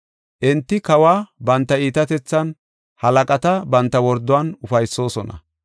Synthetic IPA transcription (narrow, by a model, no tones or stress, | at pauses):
ʔɪnt̪ːɪkɐwaːbɐnt̪ːɐiːt̪ɐt̪ɛt͡sːɐn | hɐlɐkʼɐt̪ɐbɐnt̪ːɐwɔɾd̪ɔwanʊfɐjsːo̞ːsɔnɐ̰